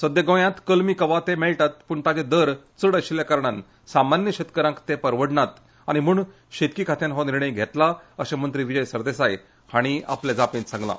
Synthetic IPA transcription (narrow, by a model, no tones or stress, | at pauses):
səd̪eɡə̃jãt̪kəlmiːkəʋat̪emɛɭʈat̪̚puɳt̪ad͡ʑẽd̪əɾ | t͡səɽəɕiljakaɾɳan | samanjəɕet̪kəɾãŋkt̪epəɾʋəɽɳat̪ | aɽ̃imuːɳ | ɕet̪kikʰat̪ʰjãnɦɔniɾɳəjɡʱet̪laəɕamənt̪ɾiʋid͡ʑəjsəɾd̪esaj | haɽ̃ia̰pled͡zapĩnsãŋɡlã̰